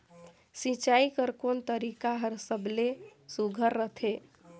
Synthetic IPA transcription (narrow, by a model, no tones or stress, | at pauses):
sĩt͡ʃaikəɾkont̪əɾikaɦəɾsəblesuɡʱəɾːət̪ʰe